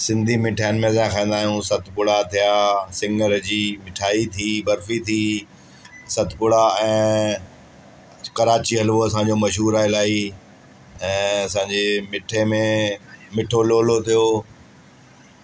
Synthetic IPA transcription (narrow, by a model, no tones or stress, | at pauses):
sɪ̃nd̪ʱimɪʈʰaːjənɪ̆mẽzãkʰãːnd̪aːɦijũsɐt̪ʰɪpʊɽat̪ʰijasɪ̃ŋɡəɾd͡ʑiːmɪʈʰaːit̪ʰiːbɐɾfit̪ʰiː | sɐt̪ʰpʊɽaɛ̃ː | kɐɾaːt͡ɕiɦɐlʋoɐsãːɲ̆d͡ʑomɐʃɦuːɾaɪlaːi | ɛ̃ːɐsãːɲd͡ʑemɪʈʰemẽmɪʈʰoloːlot̪ʰijo